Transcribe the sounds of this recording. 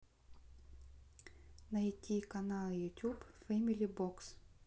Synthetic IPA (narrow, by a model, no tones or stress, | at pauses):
nɐitʲikɐnɑlˠɪjʊtʲubfɛmʲilʲibɔks